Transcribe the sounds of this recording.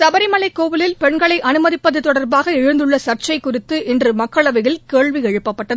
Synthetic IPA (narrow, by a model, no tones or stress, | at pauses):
sɐbɐɾɪmɐɭɐɪkːoːʋɯlɪlpɛɳɡɐɭɐɪʔɐnɯmɐðɪpːɐðɯt̪ːɔɽɐɾbaːɣɐɛɻɯnd̪ɯɭːɐsɐrt͡ʃɐɪkːʊrɪt̪ːɯʔɪndrɯmɐkːɐɭɐʋɐɣɪlkeːɭʋiɛɻɯpːɐpːɐʈːɐðɯ